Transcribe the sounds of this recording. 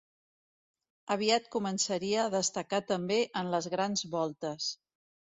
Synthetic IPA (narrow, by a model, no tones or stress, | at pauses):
əβ̞iat̪kumənsəɾiəːðəst̪əkat̪əmbeʔənləzɣɾanzβɔlˠt̪əs